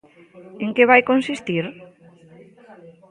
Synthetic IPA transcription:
eŋkeβ̞ajkonsist̪iɾ

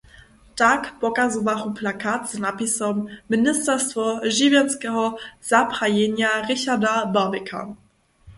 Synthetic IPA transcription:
takpɔkazuvaχuplakat̪znapisɔmːɪnɪst̪ɛʁstvɔʒɪvjɛnskɛɦɔz̥apʁajɛɲjaʁɪɕadababɛkʰa̰

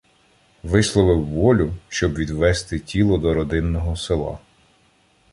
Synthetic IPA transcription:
ʋɪslˠɔʋɪwːɔlʲʊʃt͡ʃɔbʋʲid̪ʋɛst̪ɪtʲilˠɔd̪ɔɾɔd̪ɪnːɔɦɔsɪlˠɑ̰

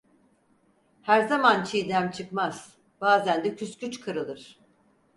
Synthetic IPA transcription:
hæɾzamant͡ʃʰijd̪æmt͡ʃʰɯkmaz̥ | b̥aːzænd̪ɛcʰyscʰyt͡ʃkʰɯɾɯlˠɯɾ̥

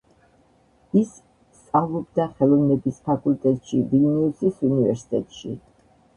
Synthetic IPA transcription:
is | st̪sʼavlˠɔbd̪aχɛlˠɔvnɛbispʰakʼult̪ʼɛt̪ʼʃivinɛusisunivɛ̰ɾsi̥t̪ʼɛt̪ʼʃḭ

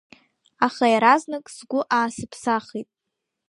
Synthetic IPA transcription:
aχajaɾaznɨkʼsɡʷʊʔaːsɨpʰsaχitʼ

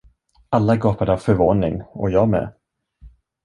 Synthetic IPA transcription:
alːaɾɡɑːpad̪əavfœɾvoːnɪŋɔ̰jɑːɡmɛ̰

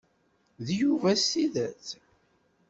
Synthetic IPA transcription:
ðjuvæsiðæθ

